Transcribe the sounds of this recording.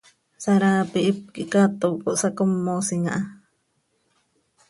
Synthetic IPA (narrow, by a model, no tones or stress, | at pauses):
saɾaːpiʔip̚kiʔkat̪okoʔsakomːosiŋa̰ʔa